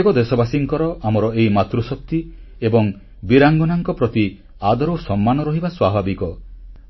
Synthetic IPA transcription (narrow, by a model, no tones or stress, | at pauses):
kɔd̪esɔbasiŋkɔɾɔʔamɔɾɔejimat̪ɾusɔp̚t̪i | ebɔŋ | biɾaŋɡɔnaŋkɔpɾɔt̪i | ad̪ɔɾosɔmːanɔɾɔɦibaswabʱabikɔ